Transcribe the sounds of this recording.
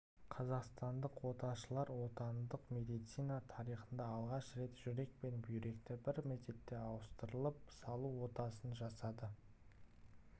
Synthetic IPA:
qʰɑzɑqst̪ɑnd̪əqwo̞t̪ɑʃəlˠɑɾwo̞t̪ɑnd̪əqme̞d̪ijt̪sijnɑt̪ʰɑɾijχənd̪ɑːlˠʁɑʃɾe̞t̪ʒ̥ʏɾe̞k̚pe̞nbʏjɾe̞kt̪ɪbɪɾmet̪e̞t̪ːe̞ɑwəst̪əɾəlˠəp̚sɑlˠuwo̞t̪ɑsənʒɑsɑd̪ə

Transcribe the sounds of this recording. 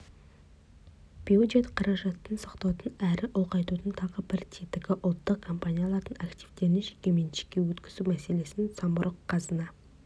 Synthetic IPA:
b̥iod̪ʒet̪qʰɑɾɑʒɑt̪ːənsɑ̥qt̪ɑwt̪ənæɾɪʔʊlˠqɑjt̪ut̪ənt̪ʰɑʁəbɪɾt̪ʲʰit̪ɪkʲɪʔʊlˠt̪ːəqkʰːo̞mpanʲijalˠɑɾd̪ənɑkt̪ivt̪e̞nɪnʒekʲe̞me̞nʃe̥kʲːe̞wɵt̪kʲɪzumæse̞le̞sɪnt̪sɑmbʊɾʔəqʰːɑzənɑ

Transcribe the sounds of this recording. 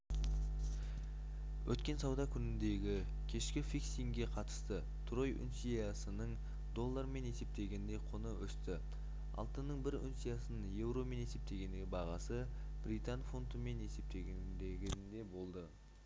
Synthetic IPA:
wʔɵt̪kʲe̞nsɑwd̪ɑkʲʰʏnɪnd̪e̞ɡʲɪ | kʲʰe̞ʃkʲɪfiksiŋɡʲe̞qʰɑt̪ə̥st̪ə | t̪ʰro̞jʔʏ̰nsijasənəɴ | d̪o̞lˠːaɾme̞ne̞se̞p̚t̪e̞ɡʲe̞nd̪e̞jqʰʊnəwɵst̪ɪ | ɑ̰lˠt̪ənəɴbɪɾʏ̰nsijasənəje̞wɾo̞me̞ne̞se̞p̚t̪e̞ɡʲe̞nd̪ejbɑʁɑsəb̥ɾit̪anfont̪əme̞ne̞se̞p̚t̪e̞ɡʲend̪eɡʲɪnd̪e̞bo̞lˠd̪ə

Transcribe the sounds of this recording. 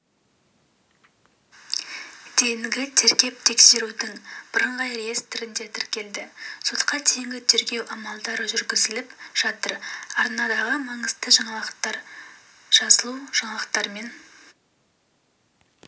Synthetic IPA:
d̪̥e̞jɪŋɡʲɪt̪ʰe̞ɾkʲe̞p̚t̪ʰe̞kse̞ɾud̪ɪŋb̥əɾəɴʁɑjrejest̪ʰɪɾɪnd̪e̞t̪ʰɪɾkʲe̞ld̪ɪso̞t̪qɑt̪ʰejŋɡʲɪt̪ʰe̞ɾɡʲe̞wʔɑmɑlˠd̪ɑɾəʒʏɾɡʲɪzɪlɪpʒ̥ɑt̪əɾɑɾnɑd̪ɑʁəmɑɴəzd̪əʒɑɴɑlˠɑqt̪ɑɾ | ʒ̥ɑsəlˠuʒ̥ɑɴɑlˠɑqt̪ːɑɾme̞n

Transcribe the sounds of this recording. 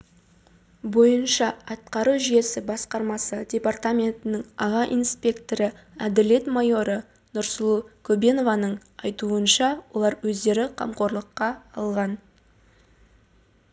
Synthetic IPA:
bo̞jənʃɑɑt̪qɑɾuʒije̞sɪbɑsqɑɾmɑsədʲe̞part̪amʲe̞nt̪ɪnɪŋɑʁɑʔinspʲe̞kt̪o̞ɾə | æd̪ɪle̞t̪mɑjo̞ɾə | nʊɾslˠukʲʰɵbe̞no̞vɑnəɴɑjt̪uənʃɑwo̞lˠɑɾwɵzd̪e̞ɾɪqʰɑ̰mqo̞ɾlˠəqːɑɑlˠʁɑn

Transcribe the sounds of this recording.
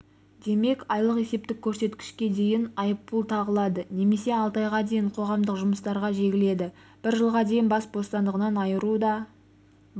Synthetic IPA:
d̪e̞me̞kɑjlˠəqe̞se̞p̚t̪ɪkʲʰːɵɾse̞t̪kʲɪ̥ʃkʲe̞d̪e̞jɪnɑjəpːəlˠt̪ʰɑʁəlˠɑd̪əne̞me̞se̞ɑlˠt̪ɑjʁɑd̪e̞jɪɴqʰo̞ʁɑmd̪əqʒʊməst̪ɑɾʁɑʒe̞ɡʲɪle̞d̪ɪ | b̥ɪɾʒəlˠʁɑd̪e̞jɪnbɑsbo̞st̪ɑnd̪əʁənɑnɑjəɾud̪ɑ

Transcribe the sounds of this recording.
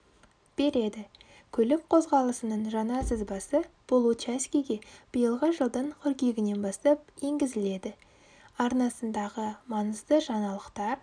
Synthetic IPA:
b̥e̞ɾe̞d̪ɪ | kʲʰɵlɪp̚qʰo̞zʁɑlˠəsənəɴʒɑnɑsəzbɑsəb̥olˠut͡ʃæskʲijɡʲe̞b̥əjəlˠʁəʒəlˠd̪əɴkʲʰʏɾkʲe̞ɡʲɪne̞nbɑst̪ɑp̚je̞ŋɡʲɪzɪle̞d̪ɪ | ɑɾnɑsənd̪ɑʁəmɑnəzd̪əʒɑnɑlˠəqt̪ɑɾ

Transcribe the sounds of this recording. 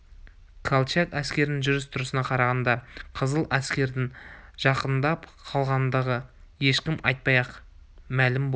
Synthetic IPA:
kʰalˠt͡ʃat̪æskʲe̞ɾɪnɪŋʒʏɾɪst̪ʰʊɾəsənɑqʰɑɾɑʁɑnd̪ɑqʰəzəlˠæskʲe̞ɾd̪ɪŋʒ̥ɑqənd̪ɑpqʰɑlˠʁɑnd̪əʁəje̞ʃkʲɪmʔɑjt̪̚pɑjɑqmælɪmbo

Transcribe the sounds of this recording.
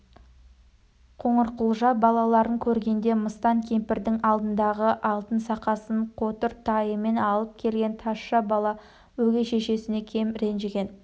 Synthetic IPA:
qʰoɴəɾqəlˠʒɑbɑlˠɑlˠɑɾəŋkʲʰɵɾɡʲe̞nd̪e̞məst̪ɑŋkʲʰe̞mpɪɾd̪ɪŋɑlˠd̪ənd̪ɑʁəʔɑlˠt̪ənsɑqɑsəɴqʰo̞t̪əɾt̪ʰɑjəme̞nɑlˠəp̚kʲʰe̞lɡʲe̞nt̪ʰɑsʃɑbɑlˠɑ | wɵɡʲe̞ʃe̞ʃe̞sɪne̞kʲʰe̞mɾe̞nʒeɡʲe̞n

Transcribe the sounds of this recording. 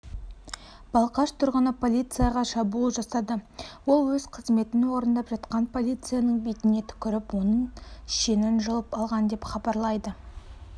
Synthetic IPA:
b̥ɑlˠqɑʃt̪ʰʊɾʁənəpʰo̞lʲijt̪sɨjaʁɑʃɑbulˠʒɑsɑd̪əwo̞lˠwɵzqʰəzme̞t̪ɪnɪwo̞ɾənd̪ɑpʒɑt̪qɑnpʰo̞lʲijt̪sɨjanəɴbet̪ɪne̞t̪ʰʏ̥kʲɪɾɪpwo̞nəɴʃe̞nɪnʒəlˠəpɑlˠʁɑnd̪e̞pχɑbɑɾlˠɑjd̪ə

